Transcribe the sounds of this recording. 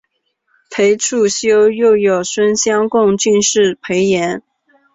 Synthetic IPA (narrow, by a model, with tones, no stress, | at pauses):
pʰe˧˥ɪʈ͡ʂʰu˥˩ɕjo˥ʊjo˥˩ʊjo˨˩ʊswə˥nɕjɑ˥ŋkʊ˥˧ŋt͡ɕy˥˧nʂɻ̩˥˩pʰe˧˥ɪjɛ˧˥n